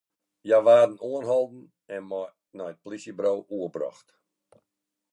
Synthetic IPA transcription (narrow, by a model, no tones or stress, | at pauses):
jaʋaːdən̩uənɦɔlˠdn̩ | ɛnmɔj | nɔjət̚plisjəbrowʔuəbrɔ̰xt